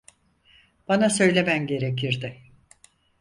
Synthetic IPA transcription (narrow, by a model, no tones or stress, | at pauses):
b̥anasø̞jlʲe̞mænɟe̞ɾe̞cʰiɾd̪ɪ